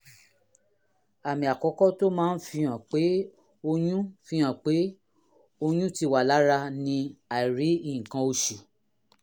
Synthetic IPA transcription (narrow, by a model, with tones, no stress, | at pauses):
a˨mĩ˨a˨kɔ˧˦kɔ˦to˦mãː˦n̩˦fĩ˧ã˨k͡pe˨˦ | o˧jũ˦fĩ˧˦ã˨k͡pe˨˦ | o˧j̃ũ˦ti˧wa˨la˨˦ɾa˧nĩ˧a˨i˨ɾi˨˦ĩ˦˨kã˧o˧ʃi˨